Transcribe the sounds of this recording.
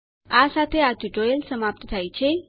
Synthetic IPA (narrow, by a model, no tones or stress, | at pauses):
ʔasat̪ʰeat̪udoelsəmab̚t̪ʰɨt̪ʰajt͡ʃʰe